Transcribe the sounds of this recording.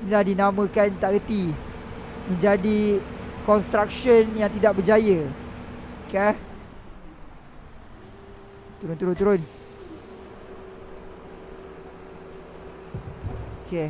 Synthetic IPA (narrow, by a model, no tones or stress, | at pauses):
inilahdinamə̃kant̪aʔɡət̪i | mə̃ɲd͡ʒadikɔnst̪ɾak̚ʃɔnjaŋt̪idaʔ̚bəd͡ʒajə | ka | t̪uɾʊnt̪uɾʊnt̪uɾʊn | oke